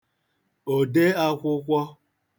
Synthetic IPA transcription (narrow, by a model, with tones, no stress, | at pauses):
o˨de˦a˦kʷʊ˦kʷɔ˦